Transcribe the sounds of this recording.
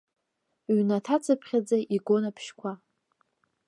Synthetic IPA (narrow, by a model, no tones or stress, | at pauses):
ɥnatʰat͡sʰɨpʰχʲad͡zaʔiɡo̞napʰʃkʷʰa